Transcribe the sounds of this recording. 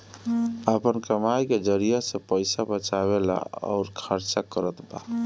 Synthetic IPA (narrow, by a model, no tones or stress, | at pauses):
əpənkəmajked͡ʒəɾijasẽpəjsabət͡ʃaβela̰ɔ̰ʊɾkʰəɾt͡ʃakəɾət̪ba̰